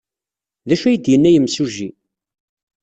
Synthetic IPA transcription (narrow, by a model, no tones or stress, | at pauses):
ðæʃæjd̪jənːæjəmsuʒi